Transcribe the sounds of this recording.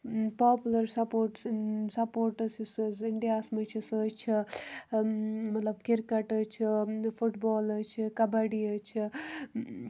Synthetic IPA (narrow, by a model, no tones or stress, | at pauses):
paːpulɐɾsɐpoːɾʈsnsɐpoːɾʈɐsusɐzɪɳɖijaːsmɐt͡ʃʰisəːt͡ʃʰi | mɐt̪lɐbkiɾkɐʈət͡ʃʰifuʈboːlɐt͡ʃʰikɐbɐɽiət͡ʃʰi